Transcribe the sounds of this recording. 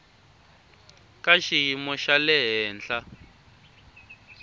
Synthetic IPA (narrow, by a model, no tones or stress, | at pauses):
kaʃiɦimɔʃalɛɦɛːnd͡ɮa